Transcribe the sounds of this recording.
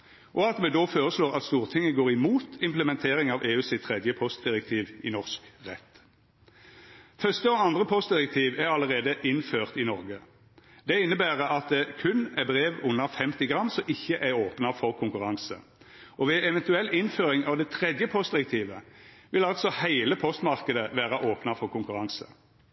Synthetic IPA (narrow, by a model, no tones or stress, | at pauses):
ʔɔɑt̪mɛd̪ofoːʁəsloːʁɑt̪st̪uːʁt̪ʰɪŋːəɡoːʁɪmuːt̪ɪmpləmɛnt̪ʰeːʁɪŋɑʋeːʉːsɪt̪ʰʁɛd̪jəpʰɔst̪̚d̪ɪʁɛk̚t̪ʰiːʋɪ̰nɔʁskʁɛ̰t̪ː | fœʁst̪əɔɑnd̪ʁəpʰɔst̪̚d̪ɪʁɛk̚t̪ʰiːʋæʁɑləʁeːd̪əʔɪnføːʁt̪ɪnɔʁɡə | d̪ɛɪnːəbæːʁəɑt̪̚d̪ɛkʰʉnɛbʁeːʋʊnːəfɛmt̪ɪɡʁɑmːsɔʔɪçːəʔæʁoːpnɑfɔʁkʰʊŋkʉʁɑŋsə̰ | ɔʋɛɛʋɛnt̪ʉɛlːɪnføːʁɪŋɑːʋd̪ɛt̪ʰʁɛd̪jəpʰɔst̪̚d̪ɪɾʁɛk̚t̪ʰiːʋəʋɪlɑlt̪sɔhæɪləpʰɔst̪mɑʁkəd̪əʋæːʁɑʔoːpnɑfɔʁkʰʊŋkʉʁɑŋsə̰